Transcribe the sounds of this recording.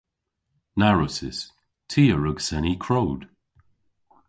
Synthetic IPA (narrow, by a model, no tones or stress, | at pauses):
naɹʊsɪs | tʰiːəɹəɡsɛnikʰɹowd̥